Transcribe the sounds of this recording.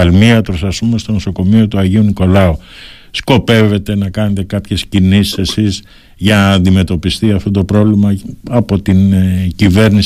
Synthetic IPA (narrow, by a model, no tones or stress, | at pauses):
ɐlmiɐt̪ɾosɐsumest̪o̞noso̞ko̞mio̞t̪uɐʝiuniko̞lɐu | sko̞pe̞ve̞t̪e̞nɐkɐne̞t̪e̞kɐpçe̞scinisesiz | ʝɐnɐːnd̪ime̞t̪o̞pist̪iɐft̪ot̪o̞pɾo̞vlimɐɐpo̞t̪incive̞ɾnis